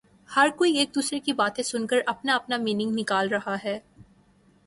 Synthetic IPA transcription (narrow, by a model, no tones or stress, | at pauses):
hɐɾkoːieːk̚d̪uːsɾekibaːt̪ẽsʊnkəɾɐpnaɐpnamiːnɪ̃ŋɡnɪkaːlɾɐɦaɦɛː